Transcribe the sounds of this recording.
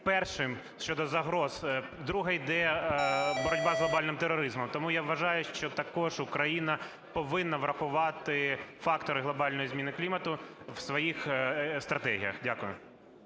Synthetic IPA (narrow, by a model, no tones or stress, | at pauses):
pɛrʃɪm | ʃt͡ʃɔd̪ɔzɐɦɾɔz | d̪ɾuɦɛid̪ɛ | bɔɾɔdʲbɑzɦlˠɔbɑlʲnɪmt̪eɾɔɾɪzmɔmt̪ɔmujaʋːɐʒɑjʊʃt͡ʃɔt̪ɐkɔʒʊkɾɐjinɐ | pɔʋɪnːɐʋɾɐxʊʋɑt̪ɪfɑkt̪ɔɾɪɦlˠɔbɑlʲnɔjizmʲinɪklʲimɐt̪ʊwsʋɔjixst̪ɾɐt̪ɛɦʲijɐ̰xdʲakʊjʊ̰